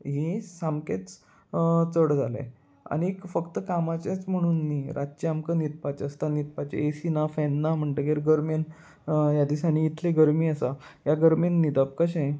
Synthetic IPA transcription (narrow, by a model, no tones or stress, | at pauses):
ɦisamket͡s | t͡səɽd͡zʱalḛ | a̰nikfəkt̪əkamat͡ɕet͡sm̤əɽ̃uːnːiːɾʔat͡ɕiamkənit̪̚pat͡ɕəst̪anit̪̚pat͡ɕḛesinafɛnːam̤əɳʈ̪əɡeɾɡəɾmen | jad̪isañiːt̪ʰleɡəɾmiːəsajaɡəɾmenːid̪əp̚kəɕẽ